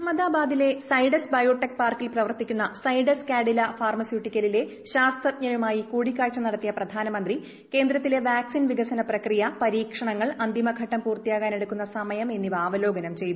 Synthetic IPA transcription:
mɐd̪aːbaːd̪ile̞sɐjɖɐsbɐjo̞ːʈːɐk̚paːrkilprɐʋɐrt̪ikʲːunːɐsɐjɖɐskaːɖilɐfaːrmɐsjuʈːikʲːɐlile̞ | ɕaːst̪ɐt̪ɲɐjumaːjikuːɽikʲːaːɻt͡ɕːɐmnɐɽɐt̪ːijɐprɐd̪ʱaːnɐmɐnd̪ri | ke̞ːnd̪ɾɐt̪ːile̞ʋaːksinʋiɡɐsɐnɐprɐkrijɐpɐɾiːkʂɐɳɐŋːɐɭɐnd̪imɐɡʱɐʈːɐmpuːrt̪ijaːɣaːne̞ɽukːunːɐsɐmɐjɐme̞nːibaːʋɐlo̞ːɡɐnɐmt͡ɕe̞jt̪u

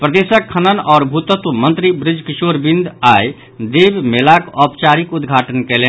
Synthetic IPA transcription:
pɾəd̪esəkʰːənənɔːɾbʱut̪ət̪umənt̪ɾibɾɪd͡ʒʱkisoɾbind̪aj | d̪ebmelakɔpt͡ʃaɾikud̪ɡʱaʈənkɛle

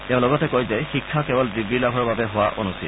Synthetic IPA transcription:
tɛ̃ʊ̃lɔɡɔtɛkojzɛxikʰːakɛbɔldɹibilabʱɔɹbabɛɦowaʔo̰nusḭl

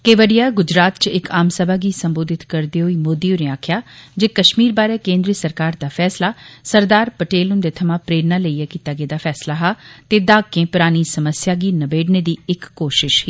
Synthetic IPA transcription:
keʋəɖijaːɡʊd͡ʒɾaːt̪t͡ʃɪkaːmsəbʱaːɡiːsə̃mboːd̪ɪt̪kəɾd̪eːɦoiːmoːd̪iːʊneːaːkʰjaːd͡ʒeːkəʃmiːɾbaːɾeːkẽːnd̪ɾiːəsəɾkaːɾd̪aːfʰɛːslaːsəɾd̪aːɾpəʈeːlʊnd̪eːt̪ʰəmãːpɾeːɾnaːləijaːkiːt̪aːɡeːd̪aːpʰɛːslaːɦaːt̪eːd̪aːkːẽːpʊɾaːñiːsəməsjaːɡiːnəbeːɖneːd̪iːɪkːoːʃɪʃhiː

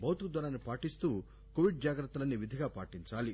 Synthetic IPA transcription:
bʱɐwt̪ukd̪ɐɾanːipaːʈist̪uː | koʋiɖ̚d͡ʒaːɡɾɐt̪ːɐlɐnːiʋid̪ʱiɡaːpaːʈiɲt͡ʃaːli

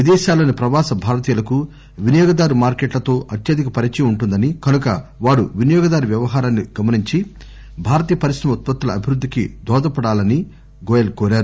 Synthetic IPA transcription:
ʋid̪ɛːʃaːloːnipɾɐʋaːsɐbʱaːɾɐt̪iːjɐlɐku | ʋinɐjɔːɡɐd̪aːɾumaːɾkeːʈlɐt̪o̞ːʔɐt̪jɐd̪ikɐpɐɾit͡ʃiuɳʈund̪ɐnikɐnukɐ̰ʋaːɾuʋinɐjɔːɡɐd̪aːɾuʋjɐʋɐɦaːɾaːnːiɡɐmɐniɲt͡ʃi | bʱaːɾɐt̪iːjɐpɐɾisɾɐmɐut̪̚pɐt̪ːulɐɐbʱiɾud̪ʱːikḭd̪ɔːd̪ɐpɐɽaːlɐni | ɡɔːjɐlkoːɾaːɾu

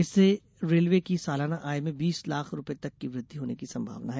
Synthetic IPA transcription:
ɪsːe | ɾeːlʋekisaːlaːnaʔaːjmẽbiːslaːkʰɾʊpet̪ɐkːiʋɾɪd̪ʱːiɦoːnekisɐ̃mbʱa̰ːʋnaɦɛː

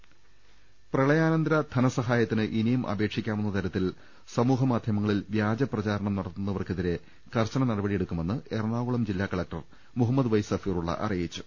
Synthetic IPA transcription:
prɐɭɐjaːnɐnd̪ɾɐd̪ʰʱɐnɐsɐɦaːjɐt̪ːinɨʔinijumʔɐ̰be̞ːkʂikʲːaːmenːɐt̪ɐɾɐt̪ːil | sɐmuːɦɐmaːd̪ʱjɐmɐŋːɐɭilʋjaːd͡ʑɐprɐt͡ɕaːɾɐɳɐmnɐɽɐt̪ːunːɐʋɐrkeðiɾe̞ | kɐrɕɐnɐnɐɽɐbɐɽijeɽukːume̞nːɨernaːɣuɭɐmd͡ʑilːaːkːɐɭɐk̚ʈɐr | muɦɐmːɐd̪ɨʋɐjsɐfiːruɭːɐ̰ʔɐ̰rijit͡ɕːu̥

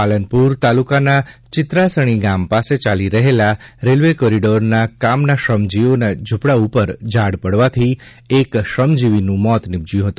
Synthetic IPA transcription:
palənpuɾt̪alukanat͡ʃɪt̪ɾasəɽ̃iɡampaset͡ʃaliɾəɦelaɾelʋekɔɾiɖoɾnakamnaʃəmd͡ʒionad͡ʒʱupɽaupəɾd͡ʒaɽpəɽʋat̪ʰi | ekʃəmd͡ʒiʋinũmɔt̪nɪb̚d͡ʒjũɦət̪ũ

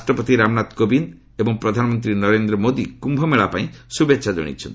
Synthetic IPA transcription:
sʈɾɔpɔt̪iɾamnat̪kobin | ebɔŋpɾɔd̪ʱanɔmɔnt̪ɾinɔɾend̪ɾɔmod̪ikumbʱɔmeɭapaĩsubetːʃʰad͡ʒ̪ɔ̰ɽ̃ḭt͡ʃʰɔ̰nt̪

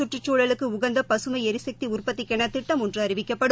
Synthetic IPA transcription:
ʊʈrɯt͡ʃːoːɻɐlɯkːɯʊɣɐnd̪ɐpɐsɯmɐɪɛɾɯsɐk̚t̪iʊrpɐt̪ːɪkːɛɳɐt̪ːɪʈːɐmɔndrɯɐɾɪʋɪkːɐpːɐɽɯ

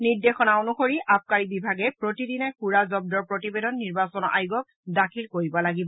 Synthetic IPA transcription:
niɹdexɔnaonuxoɹiʔap̚ʰkaɹibibʱaɡɛpɹotidinɛxuɹazɔb̚dɔɹpɹotibedɔnːiɹbasɔnɔɹʔajɡɔk̚dakʰilkoɹibɔlaɡibɔ

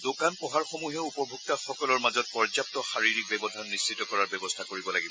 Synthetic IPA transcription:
dokanpɔɦaɹxomuɦɛupɔɹbʱuk̚taxɔkɔlɔɹmazɔt̚pɔɹzap̚tɔxaɹiɹik̚bɛbɔdʱanːisːitɔkɔɹaɹbɛbɔstʰakoɹibɔlaɡibɔ

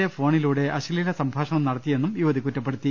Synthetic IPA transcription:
efo̞ːɳiluːɽe̞ʔɐɕililɐsɐmbʱaːʂɐɳɐmnɐɽɐt̪ːije̞nːumjuʋɐðikːutːɐp̬ːe̞ɽut̪ːi

